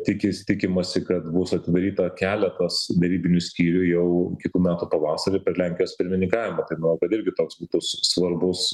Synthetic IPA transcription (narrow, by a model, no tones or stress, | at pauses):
t̪ʲɪkʲɪst̪ʲɪkʲɪmɐsʲɪkɐt̪bʊsɐt̪ʲɪd̪ɐɾʲiːt̪ɐkʲæːlʲɛt̪ɐsd̪ʲɛɾʲiːbʲɪnʲʊsʲkʲiːɾʲʊjɛʊkʲɪt̪uːmʲæːt̪upɐʋɑːsɐɾʲɪpʲɛɾlʲæŋʲkʲɪjoːspʲɪɾʲmʲɪnʲɪŋkɑːʋʲɪmɐt̪ɐɪmɐnɐʊkɐt̪ɪɾʲɡʲɪt̪oːksbuːt̪ʊssʋɐrbʊs